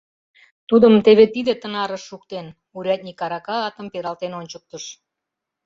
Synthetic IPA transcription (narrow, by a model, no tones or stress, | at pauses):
t̪ud̪əmt̪eβet̪id̪et̪ənɑɾəʃːukt̪en | uɾʲɑt̪̚nʲikɑɾɑkɑːt̪ə̆mpeɾɑlt̪enonʲt͡ɕək̚t̪əʃ